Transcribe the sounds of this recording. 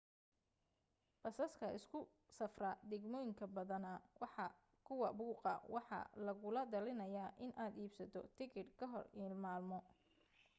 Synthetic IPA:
b̥ɐsɐskʰɐʔɪskʰʊ | sɐfrɐd̪ɛɡmɔːjɪŋkʰɐbɐðɐnɐwɑħɑ | kʰʊwɐbuːqɐ̰wɑħɑ̰lɐɣʊlɐd̪ɐlɪnɐjaːʔɪnʔaːd̪iːbsɐt̪ʰɔ̰t̪ʰɪkɪd̪kʰɐɦɔriːlmaːlmɔ

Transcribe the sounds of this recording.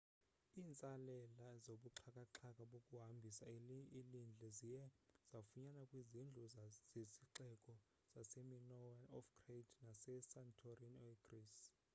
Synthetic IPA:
iːnt͡sʼalɛlazoɓuǁʰakʼaǁʰakʼaɓokʼuɦambʱisailind͡ɮʱɛziɛz̥afuɲanakʼwizind͡ɮʱuz̥esiǁɛkʼɔ | z̥asɛminɔwanɔfkʰʼrednasɛsantʰorinɔeɡris

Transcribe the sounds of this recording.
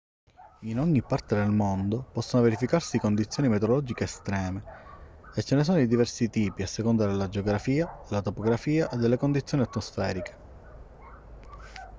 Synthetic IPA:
inɔɲːipːart̪ed̪elmond̪opɔsːonoveɾifikarsikond̪it̪sjoːnimet̪oɾolɔd͡ʒikeːst̪ɾɛːme | et͡ʃːenes̬ɔːnod̪id̪ivɛrsit̪iːpiasːekond̪aɾelad͡ʒeoɡɾafiːaelat̪opoɡɾafiːaʔed̪ːelːekond̪it̪sːjoːniat̪ːmosfɛːɾike̥

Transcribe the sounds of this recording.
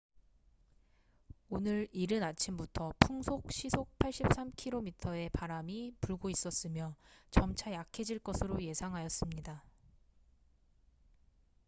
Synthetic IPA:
onɯɾiɾɯnat͡ɕʰimbutʰʌpʰuŋsʰok̚ɕ͈ʰisʰok̚pʰaɭɕ͈ip̚s͈amkʰiɾomitʰʌe̞paɾamipuɭɡois͈ʌs͈ɯmjʌt͡ɕʌmt͡ɕʰajakʰed͡ʑiɭk͈ʌsʰɯɾoje̞sʰaŋɦajʌs͈ɯmɲida

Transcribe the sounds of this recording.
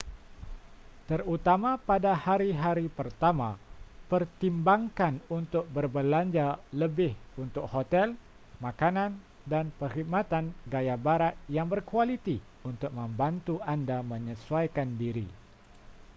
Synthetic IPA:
t̪ərut̪amapadahaɾiɦaɾipərt̪amapərt̪imbaŋkanunt̪ʊk̚bərbəlaɲd͡ʒaləbɪhunt̪ʊk̚hot̪ɛl | makanan | danpəhiɡ̚mat̪anɡajabaɾat̪̚jaŋbərkualit̪i | unt̪ʊk̚məmbant̪uʔandaməɲəsuajkandiɾḭ

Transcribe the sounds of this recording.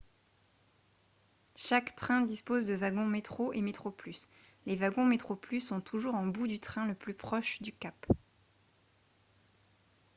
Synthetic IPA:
ʃakt̪χɛ̃d̪ispozd̪əvaɡɔ̃met̪χoʔemet̪χoplys | levaɡɔ̃met̪χoplysɔ̃t̪ʰuʒuʁɑ̃bud̪yt̪χɛ̃ləplypχɔʃd̪ykap

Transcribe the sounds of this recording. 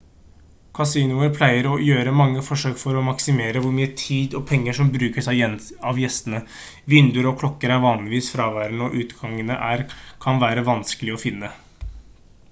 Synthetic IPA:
kʰɑsiːnʊəɾpʰlæɪəɾɔjøːɾəmɑŋːəfɔʂøːkfɔɾɔmɑksɪmeːɾəʋʊɾmyːət̪ʰiːd̪ɔpʰɛŋːəʂɔmbɾʉːkəʂæɪɑʋjɛst̪ənə | ʋɪnd̪əɾɔkʰlɔkːəɾæɾʋɑːnlɪʋiːsfɾɑːʋæɾnɔʔʉːt̪ɡɑŋːənəʔæɾkʰɑnʋæːɾəʋɑnskəlɪɔfɪnːə

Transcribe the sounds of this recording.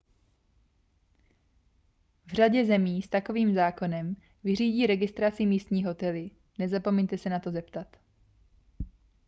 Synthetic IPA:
vr̝aɟɛzɛmiːst̪ako̞viːmzaːko̞nɛm | vɪr̝iːɟiːɾɛɡɪst̪ɾat͡sɪmiːst̪ɲiːɦo̞t̪ɛlɪ | nɛzapo̞mɛɲt̪ɛsɛnat̪o̞zɛpt̪at̪

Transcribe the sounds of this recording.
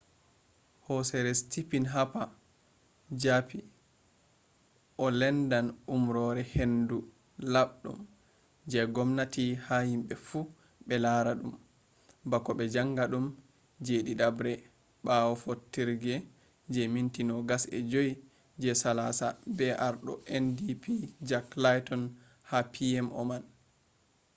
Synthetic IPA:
hɔsɛɾɛstipinɦapa | d͡ʒapi | ʔɔlɛndanumɾɔɾɛhendu | laɓɗṵm | d͡ʒɛɡɔmnatihahimɓɛfu | ɓɛlaɾaɗum | bakɔɓɛd͡ʒaŋɡaɗum | d͡ʒeɗiɗabɾɛ | ɓawɔfotːiɾɡɛ | d͡ʒɛmintinɔɡasɛ̰d͡ʒoji | d͡ʒɛsalasabɛʔaɾɗɔʔɛndipʰid͡ʒaklajtɔn | hapʰiɛmʔɔ̰man

